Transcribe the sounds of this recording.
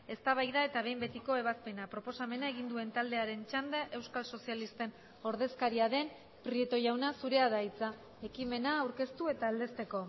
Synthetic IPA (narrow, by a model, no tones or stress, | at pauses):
e̞st̪aβ̞ajðae̞t̪aβ̞e̞jmbe̞t̪iko̞e̞β̞aspe̞napɾo̞po̞same̞nae̞ɣind̪ue̞nt̪ald̪e̞aɾe̞nt͡ʃand̪eʔe̞wskalso̞sialist̪e̞n | o̞ɾðe̞skaɾiaðe̞n | pɾiet̪o̞ʝawnasuɾe̞aðait͡sa | e̞kime̞naːwɾke̞st̪ue̞t̪aːld̪e̞st̪e̞ko̞